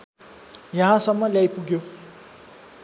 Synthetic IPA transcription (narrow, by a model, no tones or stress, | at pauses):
jʌɦãsʌmːʌljajpuɡjo